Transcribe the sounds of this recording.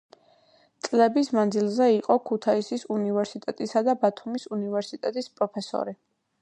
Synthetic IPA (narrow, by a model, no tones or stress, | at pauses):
t̪sʼlɛbismand̪zilˠzɛiqʼɔkʰut̪ʰaisisunivɛɾsit̪ʼɛt̪ʼisad̪abat̪ʰumisunivɛɾsit̪ʼɛt̪ʼispʼɾɔpʰɛsɔ̰ɾi